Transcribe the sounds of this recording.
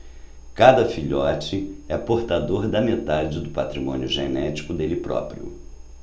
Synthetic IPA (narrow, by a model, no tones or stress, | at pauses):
kad̪ɐfiʎɔt͡ʃɪɛpoɾt̪ad̪oɾd̪ɐmet̪ad͡ʒɪd̪ʊpat̪ɾimõ̰niʊʒenɛt͡ʃi̥kʊd̪elɪpɾɔ̰pɾiʊ̰